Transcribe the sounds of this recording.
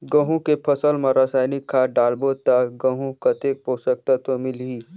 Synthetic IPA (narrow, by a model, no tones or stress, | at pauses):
ɡə̃ɦũkepʰəsəlmãɾaːsaːjnɪkʰːaɖaːlbot̪aɡə̃ɦũkɐt̪eːk̚poːsək̚t̪at̪omɪlɦiː